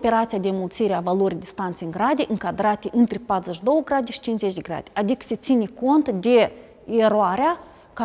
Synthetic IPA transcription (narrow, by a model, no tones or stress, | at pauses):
pe̞ɾat̪sijad̪ʲemult̪siɾeavalo̞ɾʲijd̪ʲist̪ant̪sejɨŋɡɾad̪eʔɨŋkad̪ɾat̪eʔɨnt̪ɾepat̪ɾuzəʃd̪o̞wəɡɾad̪ʲeʃi̥t͡ʃinszet͡ʃʲd̪ʲeɡɾa̰d̪ʲeʔad̪ikə̥se̞t̪sinʲeko̞nt̪d̪e̞ | eɾoaɾea | ka